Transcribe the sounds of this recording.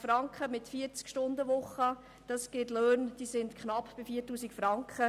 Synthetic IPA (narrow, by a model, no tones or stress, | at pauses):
fɾɑŋkχəmɪtfiəɾt͡skʃtʊndəʋʊχə | d̥ɑsɡ̥ɪtløːnd̥iːsɪndkχnɑpb̥ɪfiːtːuːsikfɾɑŋkχə